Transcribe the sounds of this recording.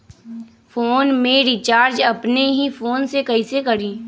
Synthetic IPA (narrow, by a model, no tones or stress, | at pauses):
foːnmẽɾɪt͡ʃaːɾd͡ʒɐpneɦifoːnsekɐisekɐɾĩː